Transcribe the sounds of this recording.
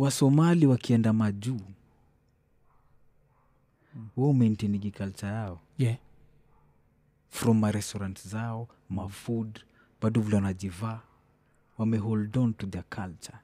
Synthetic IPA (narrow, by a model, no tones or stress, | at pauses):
wasɔmaliwakʰiɛndamad͡ʒu | huɔumɛntiniɡikalt͡ʃajaɔ | fɾɔmːaɾɛstɔɾantzaɔ | mafud | b̥aduvulanad͡ʒiva | wamɛɦɔldɔntudakʰalt͡ʃḁ